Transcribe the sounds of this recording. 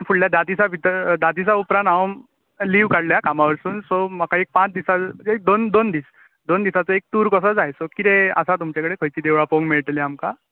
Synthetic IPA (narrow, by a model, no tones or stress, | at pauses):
fuɽljad̪ad̪isabʱit̪ɾd̪ad̪isaupɾãnt̪awm | liʋkaɽljakamaʋəɾsuːnsɔmakaek̚pãt͡sd̪isaek̚d̪ond̪ond̪iːs | d̪ond̪isat͡səek̚t̪uːɾkəs̬əd͡zajsokit̪ẽə̰sat̪umt͡ɕakəɽekʰəjt͡ɕiːd̪eʋɭapoŋɡmiɭʈliamka